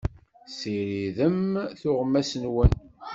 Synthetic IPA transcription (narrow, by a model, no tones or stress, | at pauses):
siɾiðəmθʊʁmːæsənwən